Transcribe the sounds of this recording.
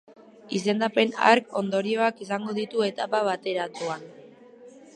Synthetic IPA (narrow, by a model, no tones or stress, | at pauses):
is̬e̞nd̪ape̞na̰ɾko̞nd̪o̞ɾio̞akisaŋɡo̞ðit̪ue̞t̪apaβat̪e̞ɾat̪uan